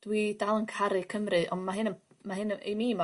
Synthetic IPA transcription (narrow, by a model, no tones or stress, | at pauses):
d̥widalˠənkʰaɾɨkʰəmrɨʔɔnmaɦɨnən | maɦɨnḛmima